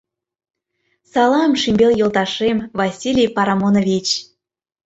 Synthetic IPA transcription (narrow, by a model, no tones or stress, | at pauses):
sɑlɑmʃimʲbʲeljɤ̆lˠt̪ɑʃemvɑsʲilʲijpɑɾɑmonovʲit͡ɕ